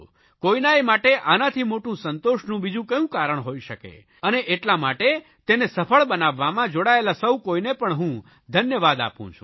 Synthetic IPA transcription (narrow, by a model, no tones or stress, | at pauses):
koinaimaʈeʔanat̪ʰimoʈũsənt̪oʃnũbid͡ʒũkəjũkaɾəɳ̃ɦoiʃəkḛ | əneʔeʈlamaʈe | t̪enesəpʰəɭbənaʋːamãd͡ʒoɽaelasəwkoinepəɳɦũ | d̪ʱənjəʋad̪a̰pṵ̃t͡ʃʰṵ̃